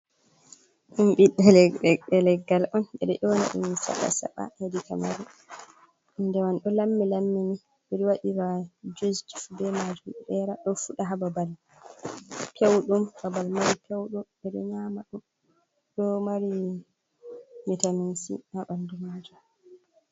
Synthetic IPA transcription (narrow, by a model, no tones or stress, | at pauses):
ɗumɓiɗːɛlɛɗɛɗɛlɛɡːalʔɔnɓɛɗɔʔɔwna̰ɗṵminsa̰ɓa̰sa̰ɓa̰hedikamaɾu | indɛwanɗɔlamːilamːini | biɾiwaɗiwad͡ʒuzd͡ʒi̥fbɛmad͡ʒumɗɛɾaɗɔfuɗaɦababal | pʰewɗumbabalmaɾipʰewɗum | ɛɗɔɲamaɗum | ɗɔmaɾi | mitaminsḭnaɓandumaːd͡ʒɔ